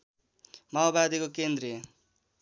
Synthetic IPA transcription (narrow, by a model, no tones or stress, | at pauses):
maobad̪ikokend̪ɾe